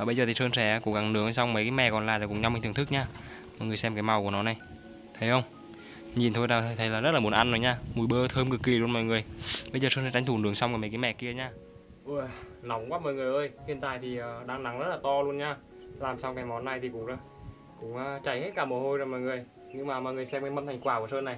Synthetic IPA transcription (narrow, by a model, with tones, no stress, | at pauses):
əː˨˩ɓə˧jzəː˨˩i˨˩səː˧nsɛ˧˩˧kʊ̰˧˥ŋ͡mka˨˩ŋnɨ˨˦əŋ˧˩sa˧wŋ͡mmə˨˦jkaː˨˦jmɛ̰˧˨˩kɔ˨˩nlaː˨˩zaː˨˩kʊ̰˧˥ŋ͡mɲ˧m˧˦t̪ʰŋt̪ʰɨ˦˥k̚ɲaː˧ | mɔ̰˨ŋɨ˨˩əjsɛ˧mkaː˨˦jma˨˩wku˧˩ənɔ˨˦na˨˩j | t̪ʰə˨˦jxə˧wŋ͡m | ɲi˨˩nt̪ʰo˧jɗaː˧˩t̪ʰt̪ʰə˨˦jlaː˨˩zə˦˥t̚laː˨˩u˨˦ə˦nʔa˧nzo˨˦ɲaː˧mu˨˩jɓəː˧t̪ʰəː˧mkɨ˨˩kːi˨˩lu˧ənmɔ̰˧˨jŋɨ˨˩əjɓə˧jzəː˨˩səː˧nsɛ˧˩t͡ɕa˨˦t̪ʰu˧˩nɨ˨˦əŋsa˧wŋ͡mka˧˩mə˨˦kːmɛ̰˧˨ki˧əɲaː˧ | ʔɨ˧˩na˨˦wŋ͡mkwaː˦˥mɔ̰˧˨jŋɨ˨˩əjʔəː˧jt̪ʰi˨˧ənt̪a̰ː˧˨jt̪ʰi˨˩ʔəː˨˩ɗaː˧ŋna˨˦ŋzə˦˥t̚laː˨˩t̪ɔ˧lu˧ənɲaː˧ | laː˨˩msaː˧wkaː˨˦jmɔ˨˦nːa˨˩jt̪ʰi˨˩kʊ̰˨˦ŋ͡ma˧˦ | kʊ̰˧˥ŋ͡maː˨˧t͡ɕa˧˩jhe˦˥t̚kaː˧˩mo˨˩ho˧jzoː˨˩jmɔ̰˧˨jŋɨ˨˩əj | ɲɨ˧ŋmaː˨˩mɔ̰˨jŋɨ˨˩əjsɛ˧mka˨˦mə˧nt̪ʰŋkwaː˧˩ku˧˩əsəː˧nːa˨˩j